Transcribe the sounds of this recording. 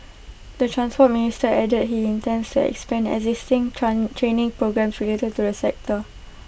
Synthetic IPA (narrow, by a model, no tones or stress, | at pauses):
dətʰɹãnspɔt̚minɪstəɛdət̚ɦiĩntʰɛ̃nstuɛ̰ksplẽnɛ̰ɡzistɪ̃ŋtʰɹẽnɪ̃ŋpɹoɡɹɛ̃msɹiletəd̚tudəsɛk̚tə